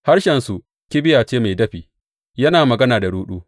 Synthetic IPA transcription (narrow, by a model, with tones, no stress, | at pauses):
ha˦ɾʃɛ˨nsu˨ | kʲɪ˦bɪ˦jaː˨t͡ʃeː˦ma˨jdɐ˦ɸiː˨ | jɐ˦naː˨mɐ˨ɡɐ˦naː˨da˨ɽuː˦ɗuː˦